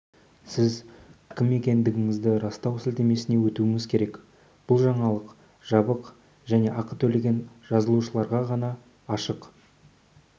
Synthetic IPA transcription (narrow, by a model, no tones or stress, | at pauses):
sɪzkʲʰɪme̞kʲe̞nd̪ɪɡʲɪŋɪzd̪ɪɾɑst̪ɑwsɪlt̪e̞me̞sɪne̞wɵt̪uɪŋɪzkʲʰe̞ɾe̞k | b̥ʊlˠʒɑɴɑlˠəq | ʒ̥ɑbəq | ʒæne̞ʔɑqət̪ʰɵle̞ɡʲe̞nʒ̥ɑzəlˠuʃəlˠɑɾʁɑʁɑnɑː | ʃəq